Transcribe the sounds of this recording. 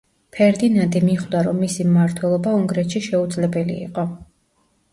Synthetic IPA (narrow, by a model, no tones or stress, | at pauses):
pʰɛɾd̪inand̪imiχwd̪aɾɔmːisimːaɾt̪ʰwɛlˠɔbauŋɡɾɛt̪ʃiʃɛud̪zlɛbɛlḭḭqʼɔ